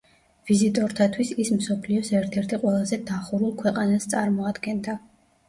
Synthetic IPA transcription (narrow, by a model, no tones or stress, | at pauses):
v̥izit̪ʼɔɾt̪ʰat̪ʰwisismsɔpʰliɔsɛɾt̪ʰɛɾt̪ʰiqʼwɛlˠazɛd̪aχuɾulˠkʰwɛqʼanast̪sʼaɾmɔad̪ɡɛnd̪a